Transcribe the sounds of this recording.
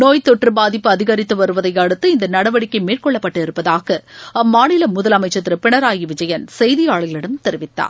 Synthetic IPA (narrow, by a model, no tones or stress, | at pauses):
noːjt̪ɔʈrɯbaːðɪpːɯɐðɪɣɐɾɪt̪ːɯʋɐɾɯʋɐðɐɪjɐɽɯt̪ːɯɪnd̪ɐnɐɽɐʋɐɽɪkːɐɪmeːrkɔɭːɐpːɐʈːɯɪɾɯpːɐðaːɣɐɐmːaːɳɪlɐmʊðɐlɐmɐɪt͡ʃːɐt̪ːɪɾɯpɪɳɐɾaːjiʋɪd͡ʒɐjɐnsɛjðɪjaːɭɣɐɭɪɽɐmt̪ɛɾɪʋɪt̪ːa̰ːɾ